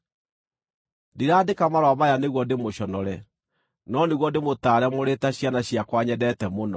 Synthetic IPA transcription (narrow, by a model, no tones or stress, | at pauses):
diɾaːdekamaɾwamajaneɣwɔdemoɕɔnɔɾɛ | nɔneɣwɔdemotaːɾɛmoɾetaɕjanaɕjakwaɲɛdɛtɛmonɔ